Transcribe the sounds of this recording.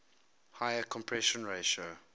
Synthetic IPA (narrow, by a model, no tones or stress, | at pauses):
haɪəkʰɔ̃mpʰɹɛʃə̃nɹeʃo